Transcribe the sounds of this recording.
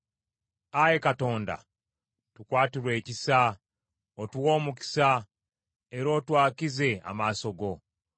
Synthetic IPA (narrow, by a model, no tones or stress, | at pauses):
aje̞kato̞ːnda̰ | tukwaːtiɾwe̞ːcisa | otuwo̞ːmuki̥sa | eɾo̞ːtwaːkize̞a̰maːso̞ɡo̞